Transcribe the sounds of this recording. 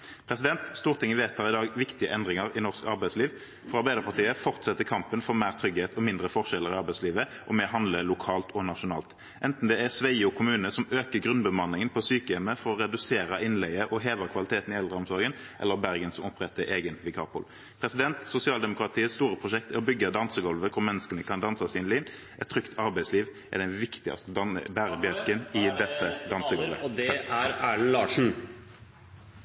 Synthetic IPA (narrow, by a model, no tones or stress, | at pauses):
pʰɾɛsɪd̪ɛnt̪st̪uːʁt̪ʰɪŋəʋeːt̪ʰhɑːʁɪd̪ɑːɡʋɪkt̪ɪə̰ʔɛnd̪ʁɪŋəɾɪnɔʁskɑɾbæɪsliːʋ | fɔʁɑʁbæɪd̪əɾpʰɑʁʈ̪ʰiːəfɔʁt̪sɛt̪ːəkʰɑmpənfɔɾmæːʁt̪ʰɾʏɡheːt̪ʰɔmɪnd̪ʁəfɔʁʂɛlːəɾɪɑʁbæɪsliːʋəʔɔmɛɦɑnd̪ləlʊkʰɑːlt̪ʰɔnɑʃʊnɑ̰ːlt̪ | ʔɛnt̪n̩d̪ɛæʁsʋæɪʊkʰʊmʉːnəsɔmøːkəɡɾʉnbəmɑnːɪŋənpʰɔsyːkəɛməfɔɾɔʁɛd̪ʉseːɾəɪnlɛɪəʔɔɦeːʋ̪əkʰʋɑlɪt̪ʰeːt̪n̩ɪɛld̪ʁəɔmsɔɾɡən | ʔɛlːəɾbæɾɡənsɔmɔpʁɛt̪ːəɾʔeːɡənʋɪkʰɑ̰ːpʊ̰l | pʰɾɛsɪd̪ɛnt̪sʊsɪɑːld̪ɛmʊkʰɾɑt̪ʰiːəst̪uːɾəpʰʁʊʃɛkt̪ɪɔbʏɡːɑd̪ɑnsəɡɔlʋəkʰʊɾmɛnːəskənəkʰɑnd̪ɑnsɑsɪːnliːn | ʔɛt̪t̪ːʰɾʏkt̪ʰɑɾbæɪsliːʋ | ɛ̰d̪ɛnʋɪkt̪ɪɑ̰st̪əɑbæːɾəbɛlkənɪd̪ɛt̪ːəd̪ɑnsəɡɔlʋə̰d̪ɛæɾæːɳ̩lɑːʂɳ̩